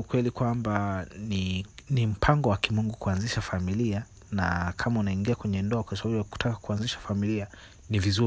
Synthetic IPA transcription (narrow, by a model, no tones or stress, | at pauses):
ukwɛlikwambaninim̩pʰaŋɡɔwakimuŋɡukuanziʃafamilia | na̰kʰamaunaiŋɡiakwɛɲɛndɔakwasababujaku̥tʰakḁkuanziʃḁfamilia | nivizu